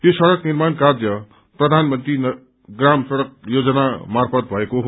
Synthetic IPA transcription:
josʌɽʌknirmankarjʌ | prʌd̪ʱanmʌnt̪rin | ɡramsʌɽʌk̚jod͡zʌnamarpʰʌt̪̚bʱʌekoɦ

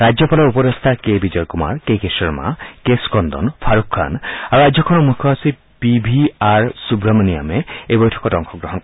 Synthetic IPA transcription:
ɾad͡ʒɔpalɔɾupɔɾest̪ʰakebid͡ʒɔɾkuma̰ɹkekesɔɹma̰keskɔnd̪ɔ̰npʰaɾukʰːa̰naɾuɾad͡ʒjɔkʰɔnɔmukʰɔɦasi | pibʱiaɹsubɾamania̰meebɔjʈʰɔ̥kɔʈɔŋkʰɔɡɾɔɦɔnkɔ

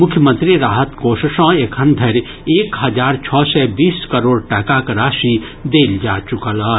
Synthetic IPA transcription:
mʊkʰjəmə̃nt̪ɾiɾaːɦət̪koːʃəʃɔ̃ːeːkʰɐnd̪ʱɐɾ | eːkɦɐd͡ʒaːɾt͡ʃʰɔːsɛbiːskɐɾoːɽʈɛːkakɾaːʃi | d̪eːld͡ʒaːt͡ʃʊkəlaː

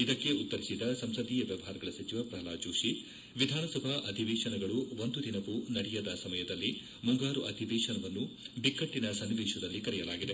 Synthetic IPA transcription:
id̪ɐkːe̞ut̪ːɐɾisid̪ɐsɐmsɐd̪iːjɐʋjɐʋɐɦaːɾɐɡɐɭɐsɐt͡ʃiʋɐɾpɾɐɦɐlaːd͡ʒoːʂi | ʋid̪ʱaːnɐsɐbʱaʔɐd̪ʱiʋeːʂɐnɐɡɐɭuond̪ud̪ʱinɐkːunɐɽɛjɐd̪ɐsɐmɐjɐd̪ɐlːi | muŋɡaːɾuʔɐd̪ʱiʋeːʂɐnɐʋɐnːubikːɐʈːinɐsɐnːiʋɛːʂɐd̪ɐlːikɐɾɛjɐlaːɡid̪e

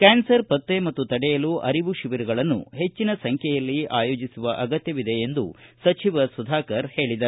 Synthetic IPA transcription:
kaːnsɐɾpɐt̪ːemɐt̪ːut̪ɐɽɛjɐluʔɐɾiʋuʃiʋiɾuɡɐɭɐnːṵɦe̞t͡ʃːinɐsɐŋkʰɛjɐlːiaːjo̞ːd͡ʒisuʋɐʔɐɡɐt̪jɐʋid̪e̞ːnd̪ṵsɐt͡ʃiʋɐsud̪ʱaːkɐɾhe̞ːɭid̪ɐ

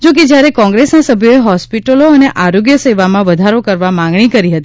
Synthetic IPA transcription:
d͡ʒok̬ed͡ʒjaɾekɔ̃ŋɡɾesnasəbʱjoeɦɔspiʈəloəneʔaɾoɡjəsəʋamãʋəd̪ʱaɾokəɾʋamãŋɡɳ̃ikəɾiɦət̪i

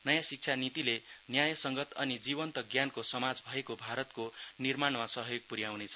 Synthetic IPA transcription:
nʌjãsik̚t͡ʃʰanit̪ilenjajʌsʌŋɡʌt̪ʌnid͡zibʌnt̪ʌɡjankosʌmad͡zbʱʌekobʱaɾʌt̪konirmaɳmasʌɦʌjoɡ̚puɾjawnet͡sʰʌ̥

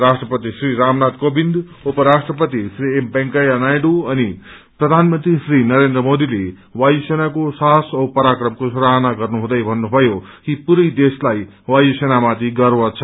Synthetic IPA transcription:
ɾasʈrʌpʌt̪isriɾamnat̪kobind̪ | opʌɾasʈrʌpʌt̪isriempeŋkajʌnajɖuʌni | prʌd̪ʱanmʌnt̪risrinʌɾend̪rʌmod̪ile | wajusenakosasʌwpʌɾakrʌmkosuɾaɦʌnaɡʌrnuɦũd̪ʌjbʱʌnːubʱʌjokipuɾʌjd̪eslaj | wajusenamat̪ʰiɡʌrwʌt͡sʰʌ

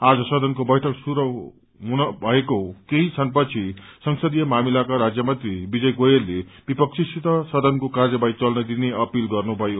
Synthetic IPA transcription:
ad͡zʌsʌd̪ʱʌnkobʌjʈʰʌksuɾʌw | ɦunʌbʱʌekokeɦĩt͡sʰʌnpʌt͡sʰisʌŋsʌd̪ijʌmamilakaɾad͡zjʌmʌ̃nt̪ribid͡zʌjɡojerːeb̥ipʌkt͡sʰisit̪ʌsʌd̪ʱʌnkokarjʌbajt͡sʌlnʌd̪ineʌpilɡʌrnubʱʌjo

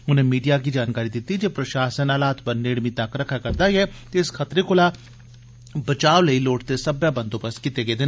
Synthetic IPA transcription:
ʊnẽːmiːɖijaːkid͡ʒaːnkaːɾid̪ɪt̪ːid͡ʒeːpɾəʃaːʃənaːlaːt̪pəɾneːɽmĩt̪əkɾəkʰakəɾd̪aːiɛːt̪eɪskʰət̪ɾekʊlaː | bət͡ʃaːoləiːloːʈt̪esəbjaːbə̃nd̪õːpəskɪt̪ːeːɡeːd̪ɪn

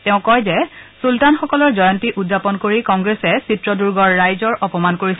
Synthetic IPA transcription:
teʊ̃kɔjzɛsultanxɔkɔlɔɹzɔjɔntiʔudzapɔnkoɹikɔŋɡɹesɛsitɹɔduɹɡɔɹːajzɔɹʔɔpɔmankoɹis

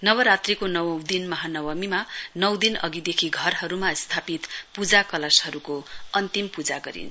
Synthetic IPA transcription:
nʌwʌɾat̪rikonʌwʌwd̪inmʌɦanʌwʌmimanʌwd̪inʌ̰ɡid̪ekʰiɡʱʌrɦʌɾumast̪ʰapit̪pud͡zakʌlashʌɾukoʌnt̪impud͡zaɡʌɾḭn

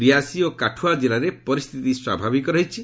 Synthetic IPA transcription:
ɾiɦasiokaʈʰuad͡ʒelaɾepɔɾist̪ʰit̪iswa̰bʱabikɔɾɔɦit͡ʃʰi

